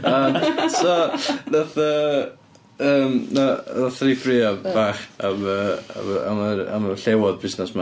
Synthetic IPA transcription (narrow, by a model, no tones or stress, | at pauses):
əːmsɔnaθə | əːmnanaθrifrɪab̥aːχaməa̰aməa̰məɬɛwɔðbɪsnɛsma